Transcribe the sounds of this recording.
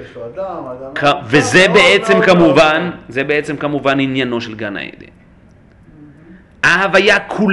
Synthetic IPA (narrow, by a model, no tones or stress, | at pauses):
kavezebe̞et͡se̞mkamuvanzebeet͡se̞mkamuvaninjano̞ʃelɡana̰ḛd̪ḭ | ahavajakʰul